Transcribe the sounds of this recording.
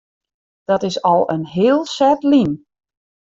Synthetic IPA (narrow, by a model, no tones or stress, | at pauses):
d̥ɔtɪsɔlˠə̰nɦɪːlˠsɛtlin